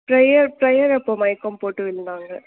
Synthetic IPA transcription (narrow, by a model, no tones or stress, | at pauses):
pɾɐjɐɾpɾɐjɐɾɛpːoːmɐɪkːɐmpoːʈːɯʋɪlːnaːŋɡɐ